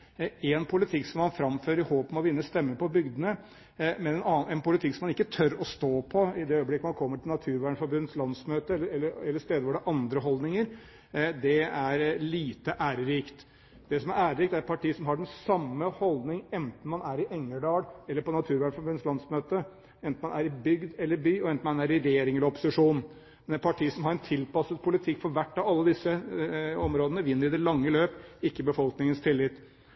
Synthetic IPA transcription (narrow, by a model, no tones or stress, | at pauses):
ɛnpʰʊlɪt̪ʰɪksɔmːɑnfɾɑmføːɾəɾɪhoːpmɔʋɪnːəst̪ɛmːəpɔbʏɡd̪ənə | mɛnɛnɑɛnpʊlɪt̪ʰɪksɔmːɑnɪkːət̪ʰœɾɔst̪oːpʰɔɪd̪ɛœʏəblɪkːəmɑnkʰɔmːəʈɪlnɑt̪ʰʉːɾʋæːɳfɔɾbʉnːət̪slɑnsmøːt̪əɛlːəɛlːəɾɛlːəst̪eːd̪əʋɔɖɛʔɑnd̪ɾəɦɔld̪nɪŋəɾ | d̪ɛæɾliːt̪əʔæːɾəɾiːkt̪ | d̪ɛsɔmæɾæːɾəɾiːkt̪æɾɛt̪pʰɑʈiːsɔmɦɑɖɛnsɑmːəhɔld̪nɪŋɛnt̪n̩mɑnæɾɪʔɛŋːəɖɑːɽɛlːəpʰɔnɑt̪ʰʉːɾʋæɳfɔbʉnslɑnsmøːt̪ə | ɛnt̪n̩mɑnæɾɪbʏɡd̪ɛlːəɾbyːɔɛnt̪n̩mɑnæɾɪɾeːɾɪŋɛləɾɔpʊ̥sɪʂuːn | mɛnɛpʰɑʈʰiːsɔmhɑɾɛnt̪ʰɪlpɑsət̪pʰʊlɪt̪ʰɪkːfɔɾʋæʈːɑʋɑlːəd̪ɪsːəɔmɾoːd̪ənəʋɪnːəɾɪd̪ɛlɑŋːəløːpɪkːəbəfɔlknɪŋənst̪ʰɪlːɪt̪ː